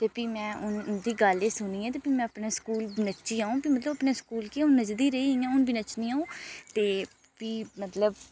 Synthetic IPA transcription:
t̪eːpiːmɛ̃ːʊnʊnd̪iːɡəleːsʊniːɛ̃ːt̪̬eːpiːmɛ̃ːəpneːskuːlbnət͡ʃiːaːũːpiːmət̪ləbəpneːskuːlkiʊnːəd͡ʒd̪iːɾəiːiːãːʊnbinət͡ʃnĩːaːũːt̪eː | piːmət̪ləb

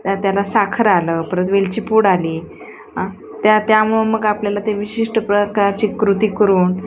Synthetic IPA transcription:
t̪jat̪jalasakʰəɾaləpəɾət̪ʋelt͡ɕiːpuːɽaliː | ɦã | t̪jat̪jamueməɡapljalat̪eʋiɕiʂʈəpɾəkaɾt͡ɕiːkɾut̪iːkəɾuːn

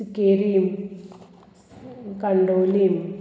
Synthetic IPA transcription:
keɾim | kɐɳɖoːlim

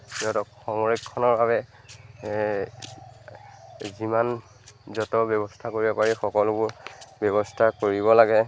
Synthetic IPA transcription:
tɛɔtɔkxɔŋɹekʰːɔnɔɹbʱaβɛ | ziman | zɔtɔbjɔbɔstʰakoɹibɔpaɹixɔkɔlʊbʊɹbjɔβɔstʰakoɹibɔlaɡɛ

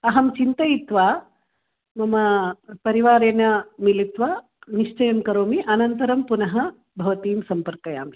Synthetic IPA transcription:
ɐɦɐmt͡ʃint̪ɐjit̪ʋaː | mɐmɐpɐɾiʋaːɾeːnɐmilit̪ʋaː | niʂt͡ʃɐjɐmkɐɾoːmiʔɐnɐnt̪ɐɾɐmpunɐɦɐ | bʱɐʋɐt̪iːmsɐmpɐɾkɐja̰ːmi

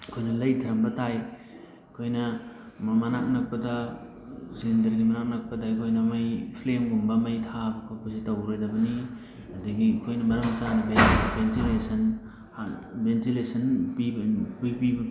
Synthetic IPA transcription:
kʰojnɐlɐjtʰɐɾɐmbɐtaj | kʰojnɐ | mɐmɐnak̚nɐk̚pɐdɐ | zendɐɾɡimɐnak̚nɐk̚pɐtajkʰojnɐmɐjpʰlemɡumbɐmɐjtʰabɐkʰopɐsitɐwɾojdɐbɐni | ɐdɐɡikʰojnɐbɐɾɐmɐsanɐbebentilesɐn | abentilesɐnpibipibɐ

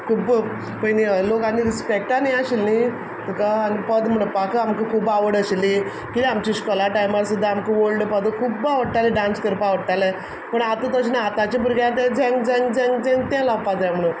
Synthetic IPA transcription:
kʰub | pəjnilokaniɾispek̚ʈanajaɕilni | t̪ukaːnipəd̪m̤əɽũpakəamkəkʰubaʋəɽəɕli | kit̪iamt͡ɕiɕkɔlaʈajmaɾsud̪ʱːaamkuʋolɖəpəd̪əkʰubaʋəɽʈ̪aleɖãnskəɾpaʋəɽʈ̪ale | pəɳat̪ə̃t̪ɔɕinaat̪at͡ɕĩpuɾɡjãt̪ɛ̃d͡ʑɛ̃ŋɡd͡ʑ̃ŋɡd͡ʑɛ̃ŋɡd͡zɛ̃ŋɡt̪ɛ̃lapad͡zajm̤əɽ̃ũ

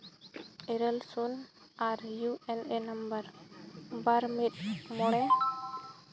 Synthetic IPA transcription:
ɛɾɛlsun | aɾjuʔɛnɛnambəɾ | baɾmit̪̚mɔɽ̃ɛ

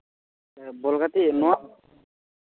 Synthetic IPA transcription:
bɔlɡat̪inɔa

